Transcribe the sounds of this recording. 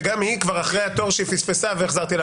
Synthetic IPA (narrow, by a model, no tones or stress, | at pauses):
ɡamhikvaʁaχʁejat̪o̞ʁʃifisfesaveeχzaʁt̪ila